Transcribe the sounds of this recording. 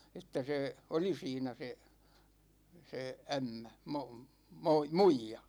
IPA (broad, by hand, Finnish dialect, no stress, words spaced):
etːæ seˑ oli siːnæ se se æmːæ mom moi muijɑ